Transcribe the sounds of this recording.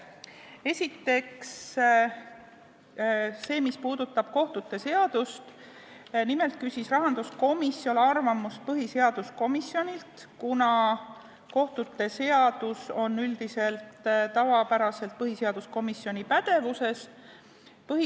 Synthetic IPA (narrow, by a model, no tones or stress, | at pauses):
e̞sʲit̪ːˑe̞ks | e̞ːmispuːd̪̥ut̪ːˑɑb̥̚ko̞ht̪ut̪ːˑe̞se̞ɑd̪̥ust̪ | nime̞lt̪̚kysʲisrɑɦɑnd̪̥usko̞misːjo̞lɑrvɑmust̪̚pɤɦise̞ɑd̪̥usko̞misjo̞nʲilt̪ | kunɑ | ko̞ht̪ut̪ːˑe̞se̞ɑd̪̥uso̞nːyld̪̥ise̞lt̪t̪ːɑvɑpæɾɑse̞lt̪̚pɤɦise̞ɑd̪̥usko̞misjo̞nipæd̪̥e̞vuse̞s | pɤɦi